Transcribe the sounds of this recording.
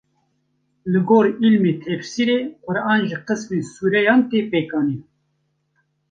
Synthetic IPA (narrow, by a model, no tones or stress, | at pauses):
lɨɡoːɾilmeːt̪ʰɛfsiɾeːqʊɾɑːnʒiqəsmeːsuːɾɛjɑːnt̪eːpeːkɑːniː